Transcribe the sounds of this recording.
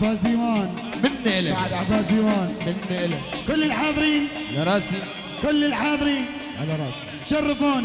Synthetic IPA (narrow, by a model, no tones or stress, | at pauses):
baːsd̪iːmaːn | mɪnːɪʔɪlabaʕad̪ʕabaːsd̪iːwaːnmɪnːɪʔɪlakʊlːɪlħaːðˤɨɾiːn | laɾˤɑːsi | kʊlːɪlħaːðˤɾiːn | ʔa̰laɾˤɑːsi̥ | ʃɑrˤːɨfuːn